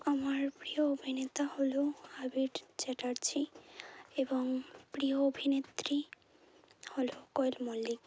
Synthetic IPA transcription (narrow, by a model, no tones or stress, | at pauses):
amaɾpɾioobʱinet̪aholohabiɖt͡ɕeʈaɾt͡ɕʰi | eboŋpɾioobʱinet̪ɾi | holokɔelmolik